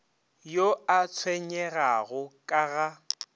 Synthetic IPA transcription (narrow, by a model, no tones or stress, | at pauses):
joat͡sʰwɛɲɛɣaɣʊkʼaɣa